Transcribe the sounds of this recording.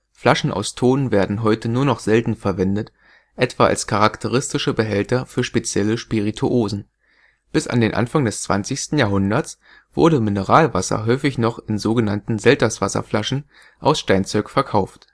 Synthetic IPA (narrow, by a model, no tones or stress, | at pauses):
flaʃn̩ʔa̰ʊstʰoːnveːɐdn̩ɦɔʏtənuːɐnɔχz̥ɛltn̩fɛɐvɛndət | ʔɛtv̥aːʔa̰lskʰaʁaktʰəʁ̞ɪstɪʃəbəɦɛltɐfyːɐʃpet͡sjɛləʃpiʁitʰuʔoːzn̩ | b̥ɪsʔa̰ndeːnʔa̰nfaŋdɛst͡sv̥a̰nt͡sɪçstn̩jaːɦʊndɐt͡s | v̥ʊ̰ɐɾəmɪnəʁaːlva̰sɐ̰ɦɔʏfɪçnɔχɪnzoːɡənantn̩zɛltɐsv̥asɐ̰flaʃn̩ | ʔaʊsʃtaɪnt͡sɔʏkfɛɐkʰaʊft